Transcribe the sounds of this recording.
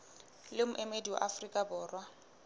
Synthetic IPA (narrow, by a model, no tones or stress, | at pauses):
lɪmʊʔɛmediwa̰ʔafrikʼabʊːrwa